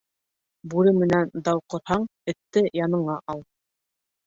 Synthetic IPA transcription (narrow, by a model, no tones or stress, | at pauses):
bʉɾɘmɘ̆nænd̪ɑwqŏɾhɑɴɘ̆t̪ːɘjɑnɤ̆ɴɑʔɑlˠ